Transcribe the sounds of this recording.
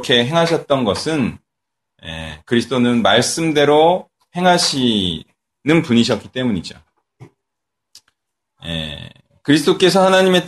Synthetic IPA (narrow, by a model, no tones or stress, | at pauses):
kʰe̞ɦe̞ŋɦaɕ̬ʰʌt̚t͈ʌnɡʌsʰɯn | jḛkɯɾis̬ʰt͈onɯnmaɭs͈ɯmde̞ɾo | he̞ŋɦaɕʰi | nɯnpuɲiɕ̬ʰʌt̚k͈it͈e̞muɲid͡ʑo̰ | jḛ | kɯɾis̬ʰɯ̥t͈ok͈e̞s̬ʰʌhanaɲime̞